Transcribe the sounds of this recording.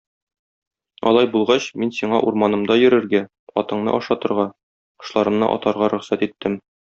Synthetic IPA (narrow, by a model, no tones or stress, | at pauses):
ɒ̰lˠɑjbulˠʁɑɕminsiɴɑʔuɾmɑnɤ̆md̪ɑjɵ̆ɾɘ̆ɾɡæ | ɒt̪ɤ̆ɴnɤ̰ʔɒʃɑt̪ɤ̆ɾʁɑ | qɤ̥̆ʃlˠɑɾɤ̆mnɤ̰ʔɒ̰t̪ɑɾʁɑɾɵ̆χsæt̪it̪ʰːɘm